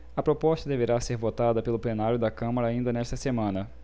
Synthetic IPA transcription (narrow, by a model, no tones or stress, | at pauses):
ɐpɾopɔst̪ɐd̪eveɾaseɾvot̪ad̪ɐpelʊplenaɾjʊd̪ɐkɐ̃mɐɾɐaːĩnd̪ɐnɛʃt̪ɐsemɐ̃nɐ